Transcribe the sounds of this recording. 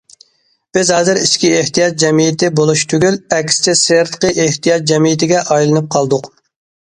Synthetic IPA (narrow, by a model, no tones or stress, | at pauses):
b̥ɪzhɑːzɨɾiʃkʲieht̪ijɑt̪̚d͡ʒɛmijɪt̪ɪbolˠuʃt̪ʰyɡʲylɛkʲsɪ̥t͡ʃʰɛseɾt̪ə̥qʰəʔeht̪ijɑt̪̚d͡ʒɛmijɪt̪ɪɡʲɛʔɑjlˠɨnɨp̚qʰɑlˠd̪ʊq